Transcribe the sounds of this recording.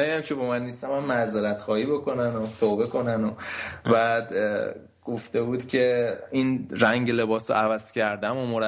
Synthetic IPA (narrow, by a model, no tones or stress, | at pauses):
æjæmcʰe̞bɒmænːist̪æmæmːæzeɾæt̪xɒːhiːbo̞kʰo̞nænot̪ʰobe̞ko̞nænobæd̪ | ɡ̥oft̪e̞buːd̪̥cʰe̞inɾæŋɟele̞bɒːso̰ævæz̥cʰæɾd̪æmomoɾ